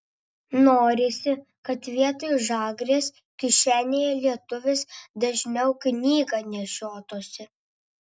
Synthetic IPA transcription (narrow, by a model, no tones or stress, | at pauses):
noːɾʲɪsʲɪkɐt̪ʋʲiɛt̪oɪʒɑːɡɾʲeːs | kʲɪʃʲæːnʲejɛlʲiɛt̪ʊʋʲɪsd̪ɐʒʲnʲɛʊknʲiːɡɐnʲɛʃʲoːt̪oːsʲɪ